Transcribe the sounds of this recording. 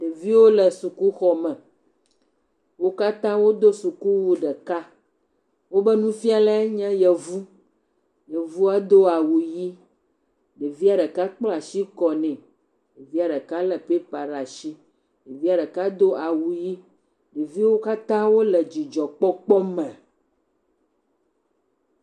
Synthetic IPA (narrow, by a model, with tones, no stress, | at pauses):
ɖe˨vi˦wo˦lɛ˨su˨ku˦xɔ˨mɛ̃˨ | wo˦ka˦t̪ã˦wo˦d̪o˦su˨ku˦wu˨ɖɛ˨ka˦ | wo˦bɛ˦nũ˦fi˦a˦lɛ˦ɲɛ̃˦jɛ˨vu˦ | jɛ˨vu˦a˦d̪o˦a˨wu˨ji˦ | ɖe˨vi˦a˨ɖɛ˨ka˦k͡plɔ˦a˨si˦kɔ˨nɛ̃˨ | ɖe˨vi˦a˨ɖɛ˨ka˦lɛ˨pe˦pa˨ɖa˨ʃi˦ | ɖe˨vi˦a˨ɖɛ˨ka˦d̪o˦ʔa˨wu˨ji˦ | ne˨vi˦wo˦ka˦t̪ã˦wo˦lɛ˨d͡ʑi˨d͡ʒɔ˨k͡pɔ˦k͡pɔ˦mɛ̃˨